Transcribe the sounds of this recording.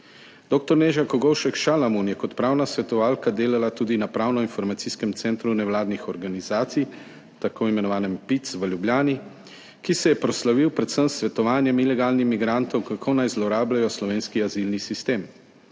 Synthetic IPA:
d̪̥oːk̚t̪ɔɾneːʒakɔɡɔwʃɛkʃalamunjɛkɔt̪pɾaːwnasʋɛt̪ɔʋaːlkad̪eːlalat̪uːd̪inapɾaːwnɔinfɔɾmat̪siskɛmt̪sɛnt̪ɾunɛwlaːd̪nixɔɾɡanizaːt̪sij | t̪akoːimɛnɔʋaːnɛmpit̪sʋəljubljaːni | kisɛjɛpɾɔslaʋiwpɾɛt̪səmsʋɛt̪ɔʋaːnjɛmilɛɡaːlnixmiɡɾant̪ɔwkakʰonajzlɔɾaːblajɔslɔʋeːnskiazilnisist̪eːm

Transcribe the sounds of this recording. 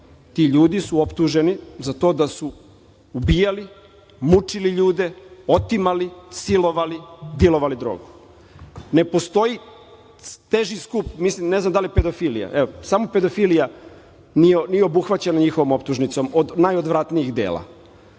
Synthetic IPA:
t̪iʎuːd̪isuo̞pt̪uʒe̞nizat̪o̞d̪asuː | bijali | mut͡ʂiliʎuːd̪e̞o̞t̪imalisilo̞ʋalid̪jelˠo̞ʋalid̪ɾoːɡu | ne̞po̞st̪o̞ji | t̪eʒiskupmislimne̞znamd̪aljeped̪o̞filḭja̰ʔeosamo̞pe̞d̪o̞filija | nijenijeo̞buxʋat͡ɕenaɲixo̞ʋomo̞pt̪uʒnit̪so̞mod̪najod̪ʋɾat̪nijiɣd̪ḛːlˠa̰

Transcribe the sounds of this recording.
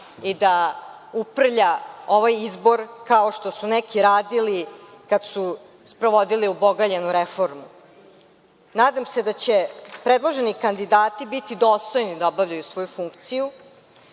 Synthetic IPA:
id̪a | upr̩ʎao̞ʋajizbo̞ɾkaoʃt̪o̞sunekiɾaːd̪ilikad̪su | spɾo̞ʋo̞d̪iliubo̞ɡaʎenuɾefo̞ɾmu | naːd̪amse̞d̪at͡ɕepɾed̪lˠoʒenikand̪id̪aːt̪ibit̪id̪o̞ːst̪o̞jnid̪aobavʎajusʋo̞jufuŋkt̪siju

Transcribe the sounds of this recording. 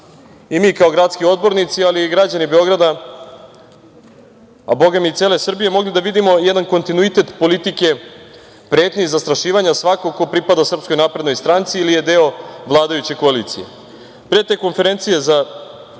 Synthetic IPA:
imiːkaoɡɾat̪skio̞d̪̚bo̞ɾnit̪sialiɡɾad͡ʑanibe̞o̞ɡɾad̪a | a̰bo̞ɡamiit̪selesr̩bije̞mo̞ɡlid̪aʋid̪imo̞jɛd̪anko̞nt̪inuit̪e̞t̪po̞lit̪ike̞ | pɾeːt̪ɲiizast̪ɾaʃiːʋaɲasʋakokːopɾipad̪asr̩psko̞jnaːpɾed̪nojst̪ɾant̪siilije̞d̪e̞o̞ʋlˠaːd̪ajut͡ɕe̞ko̞aliːt̪sije̞̰ | pɾet̪e̞ːko̞nfe̞ɾe̞nt̪sije̞za

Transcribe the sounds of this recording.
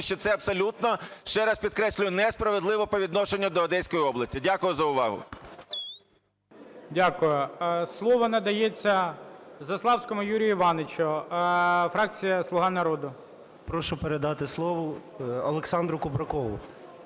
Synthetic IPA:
ʃt͡ʃɔt̪sɛɐbsɔlʲut̪nɔʃt͡ʃɛɾɐspʲid̪̚kɾɛsʲlʲʊjʊnɛspɾɐʋed̪lˠɪʋɔpɔʋʲid̪nɔʃenʲːɐd̪ɔɐd̪ɛjsʲkɔjiɔblˠɐsʲtʲidʲakʊjʊzɐʊʋɑɦʊ̰ | dʲakʊjʊslˠɔʋɔnɐd̪ɐjet͡sʲːɐzɐslˠɑwsʲkɔmʊjuɾʲijiʋɑnet͡ʃʊ | fɾɑk̚t͡sʲijɐslˠʊɦɑnɐɾɔd̪ʊ | pɾɔʃʊpeɾed̪ɑt̪ɪslˠɔʋʊ | ɐlˠeksɑnd̪ɾʊkʊbɾɐkɔʋʊ

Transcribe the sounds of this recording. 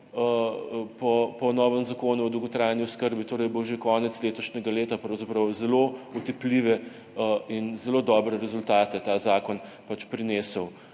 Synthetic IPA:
əpɔpɔnɔːʋəmzɐkoːnuɔd̪uwɡɔt̪ɾajniʊskəɾbit̪oːɾɛjboʒekɔːnɛsleːt̪ɔʃnʲɛɡaleːt̪apɾɐwzɐpɾɐwzɛlout̪ɛpliʋɛ | inzɛloːd̪ɔːbɾɛɾɛzʊlt̪aːt̪ɛt̪aːzaːkɔnpat͡ʃpɾineːsəw

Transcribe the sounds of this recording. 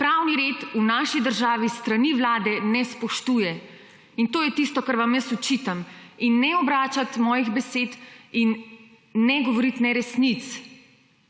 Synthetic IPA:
pɾawniɾeːt̪unaːʃid̪əɾʒaːʋist̪ɾaniʋlaːd̪ɛnɛspɔʃt̪uːjɛ | int̪oːjɛt̪ist̪ɔkaɾʋamjəsɔt͡ʃit̪aminːɛɔbɾaːt͡ʃat̪mɔːjiɣbɛseːt̪inː | ɛɡɔʋɔɾit̪nɛɾɛsnit̪s

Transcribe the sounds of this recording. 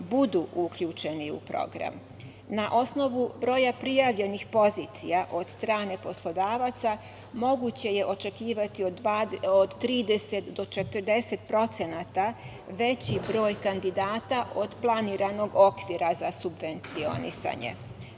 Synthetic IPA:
bud̪uʔukʎut͡ʃe̞niṵpɾo̞̰ɡɾa̰m | naʔo̞sno̞ʋubɾo̞ːjapɾijaʋʎe̞nixpo̞ziːt̪sijaʔo̞d̪st̪ɾaːne̞po̞slˠo̞d̪aːʋat̪sa | mo̞ɡut͡ɕe̞je̞ʔo̞t͡ʃe̞kiːʋat̪ioaod̪t̪ːɾiːd̪e̞set̪d̪o̞t͡ʃe̞t̪ərd̪e̞set̪̚pɾo̞t̪se̞nat̪a | ʋe̞t͡ɕibɾo̞ːjkand̪id̪aːt̪aʔo̞d̪plˠaniːɾano̞ɡo̞kʋiːɾazasubʋe̞nt̪sio̞̰nḭsa̰ɲḛ

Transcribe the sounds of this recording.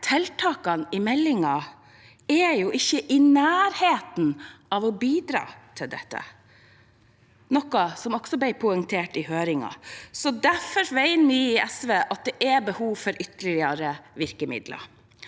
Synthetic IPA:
t̪ʰɛlt̪ʰɑːkɑnɪmɛlːɪŋɑ | ɛjuʔɪçːəʔɪnæːɾheːt̪nɑʋɔbiːd̪ɾɑ̰ːt̪ʰɪld̪ɛt̪ːə̰ | nɔkːɑsɔmɔksɔb̪æɪpʰʊɛŋt̪ʰeːʈɪhøːɾɪŋɑ̰sɔd̪æɾfɔɾʋæɪnnɪɪɛsʋeːʔɑt̪̚d̪ɛʔɛbəhuːʋfɔɾʔʏt̪əlɪɪɑɾəʋɪɾkəmɪ̰d̪lə̰ɾ

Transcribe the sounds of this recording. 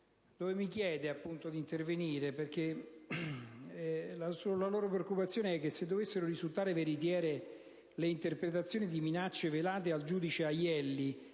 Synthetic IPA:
d̪̥oːvemikjɛːd̪eapːunt̪od̪int̪erveniːɾeperke | lasolaloːɾop̬ɾeokːupat̪sːjoːneɛkːesːed̪ːovesːeɾoɾizult̪aːɾeveɾit̪̬jɛːɾe | leint̪erpɾet̪at̪sːjoːnid̪iminat͡ʃːevelaːt̪̬eald͡ʒuːd̪it͡ʃeajɛlːi

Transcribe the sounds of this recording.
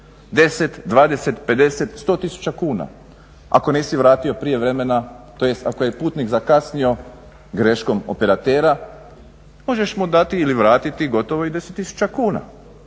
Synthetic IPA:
d̪e̞se̞t̪d̪ʋaːd̪e̞set̪pe̞d̪e̞set̪st̪o̞ːt̪isu̥t͡ɕakuːna̰ | a̰ko̞neːsiʋɾaːt̪io̞pɾije̞ʋɾe̞me̞nat̪ojest̪akojepuːt̪nikzakasnio̞ | ɡɾe̞ʃko̞mo̰pe̞ɾat̪eːɾa | mo̞ʒeʃmod̪at̪iːliʋɾaːt̪it̪iɡo̞t̪o̞ʋoid̪e̞set̪ːisu̥t͡ʃakuːna̰

